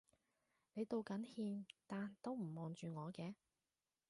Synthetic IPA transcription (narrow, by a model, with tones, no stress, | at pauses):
ne˨˧jt̪o˨˧wkɐ˨˥nhiː˧mt̪aː˨nt̪o˥wm̩˨˩mɔː˨ŋt͡ʃyː˨ŋɔː˨˧kɛː˧